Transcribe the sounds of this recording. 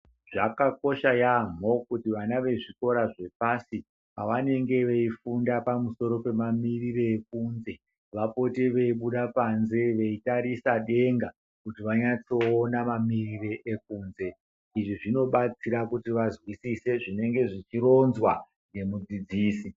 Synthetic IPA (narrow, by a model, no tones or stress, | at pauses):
ʐ̥akako̞ʃajam̤o̞kutiʋanaʋe̞ʐiko̞ɾaʐe̞pasi | paʋane̞ŋɡe̞ʋe̞ifundapamuso̞ɾo̞pe̞mamirireːk̚uːnze̞ | ʋapo̞teʋe̞iɓuɗapanze̞ʋe̞itaɾisaɗe̞ŋɡa | kutiʋaɲat͡so̞ːnamamirireʔek̚uːnze̞ | iʐiʐino̞ɓat͡siɾakutiʋazwisise̞ʐine̞ŋɡe̞ʐit͡ʃiɾo̞nzwa | ŋɡe̞mud͡zid͡ziːsi